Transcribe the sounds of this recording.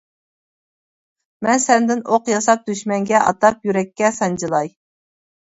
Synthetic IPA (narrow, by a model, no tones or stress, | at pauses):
mɛnsɛnd̪ɪnoqjɑsɑp̚d̪yʃmɛŋɡʲɛʔɑ̰t̪ɑpjyɾɛkʲːɛsɑnd͡ʒɨlˠɑj